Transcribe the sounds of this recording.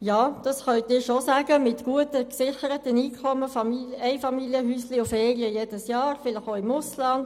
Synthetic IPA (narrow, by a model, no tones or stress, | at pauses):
jɑːd̪̥ɑsχœntɪːʃosaːɡ̥əmɪtɡ̥uətəksɪχəɾətəniːkʰɔməfɑmiɛɪfɑmiljəhyːsliʊfɛːliəjeːd̥əsjɑːɾfɪləχoːɪmʊslɑnd